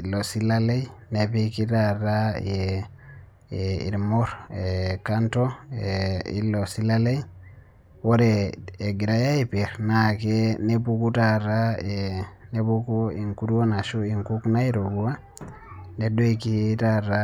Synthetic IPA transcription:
losilalejnepikitaraje | ḭɾmoɾekantoeḭlosilalej | woɾeeɡiɾajaipeɾnakenepukutaɾaenepukoiŋkuɾwonaʃuiŋkuknaiɾoɡuwa | nedoikitaɾa

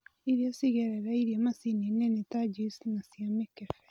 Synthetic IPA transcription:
iɾiosiɣɛɾɛɾaiɾiemasininenitad͡ʒisnasiamekɛfɛ

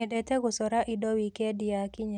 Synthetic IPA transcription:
ɛdɛt̪ɛɡʊsɔɾaʔidɔwikɛdɪakɪɲ

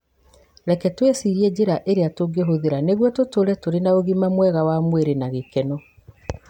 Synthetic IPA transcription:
ɾɛkɛtwesiɾiɛd͡ʑeɾaʔeɾeatoɡeɦoðeɾaneɣwɔtotoɾɛtoɾenaoɣimamwɛɣawamweɾenaɣekɛnɔ

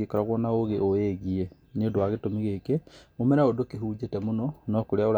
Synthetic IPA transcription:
ekɔɾaɣwɔnaoɣeʔoeɣie | niondoaɣetomiɣekeomɛɾaodokeɦuːd͡ʑetɛmonɔnɔkoɾeaoɾa

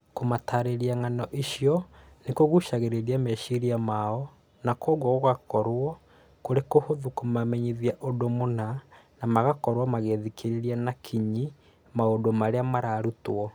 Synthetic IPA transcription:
komataɾeɾiaŋanɔʔiʃjɔ | nekoɣuʃaɣeɾeɾiamɛʃiɾiamaɔ | nakɔɣwɔɣoɣakɔɾwɔ | koɾekohoðukomamɛɲiðiaʔodomonanamaɣakɔɾwɔmaɣeðikʰeɾeɾianakʰiɲi | maodomaɾeamaɾaːɾutɔ

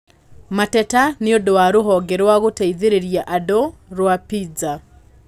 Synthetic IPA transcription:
matɛtaneodowaɾoɦɔɡɛɾwaɣotaiðeɾeɾiaʔadoɾwapid͡za

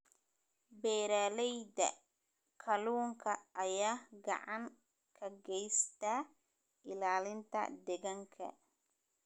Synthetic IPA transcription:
bɛːɾaːlɛjd̪ɐ̰ | kʰɐluːŋkʰɐʔːjaːɡɑ̰ʕɑŋ | kʰɐɡɛjst̪ʰa | ɪlaːlɪnt̪ʰɐ̰d̪ɛɣɐŋkʰɐ̰

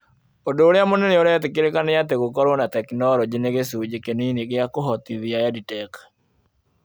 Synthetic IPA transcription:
odoɾjamɔnɛneoɾɛt̪ɪkɪɾekanɛjat̪eɡokɔɾonat̪ɛknɔɾɔd͡ʒeneɡesud͡ʒekeniniɡɪakoɦɔt̪iðiajaditɛk

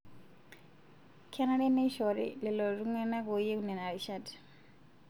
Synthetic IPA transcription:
kʰɛnadɛneʃɔɾḭlɛlɔruŋwɛnakojeunɛnaɾiʃad

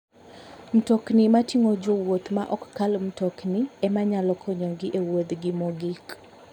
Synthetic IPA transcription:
m̩tɔknimatiŋod͡ʒowot̪maʔɔkːalm̩tɔkniɛmaɲalɔkʰɔɲɔɡɪʔewod̪ɡɪmoɡik

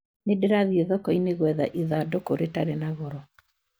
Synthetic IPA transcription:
nedeɾaðieðɔkɔineɣwɛðaʔiðadɔkoɾetaɾenaɣɔɾɔ

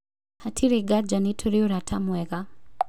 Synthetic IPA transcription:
hatʰiɾeɡad͡ʒanitʰoɾioɾatʰamwɛɣa

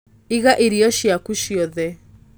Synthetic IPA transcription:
iɣaʔeɾiɔʃjakuʃjɔðɛ

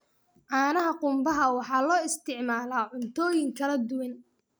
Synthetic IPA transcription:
ʕɑːnɐɦɐqʊmbɐɦɐwɑħɑːlɔːɪst̪ʰɪʕmaːlaːʕʊnt̪ʰɔːjɪŋkʰɐlɐd̪ʊwɐn

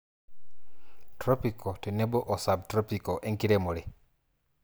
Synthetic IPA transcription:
tɾopikʰotenebɔʔɔsab̚tɾopikoʔeŋkiɾemoɾi

